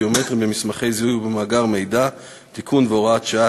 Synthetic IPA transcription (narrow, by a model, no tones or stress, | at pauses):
omet̪ʁimbemismaχe̞jzihuɡbemaːɡaʁmejda | t̪ikʰunveoʁaat̪ʃaa